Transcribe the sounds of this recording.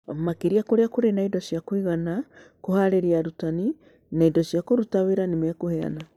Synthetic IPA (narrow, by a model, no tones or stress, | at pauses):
makeɾiakoɾeakoɾenaidɔsiakwiɣanakohaɾeɾiaɾutani | naidɔsiakoɾutaweɾanemakohɛa̰na